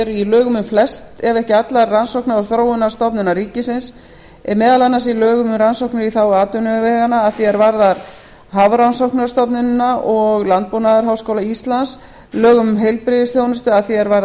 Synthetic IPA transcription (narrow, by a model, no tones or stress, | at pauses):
ɛɾʏilœːɣʏmʏmflɛst̪ɛvɛhcɪat̪laɾːansowknaɾɔɾθɾoːwʏnast̪ɔpnʏnaɾiːcɪsɪns | ɛmɛːðalanːasilœːɣʏmʏmɾansowknʏɾiθawaːt̪ʏnʏvɛːɣanaːðθiɛɾvaɾðaɾ | ɦavɾansowhknʏɾst̪ɔpnʏnnaʔɔɣlant̪̚pownaðaɾ̥ɦawskoːwlaist̪lans | lœːɣʏmʏmɦejlpɾɪðɪsθjownʏst̪ʏaðθiɛɾvaɾ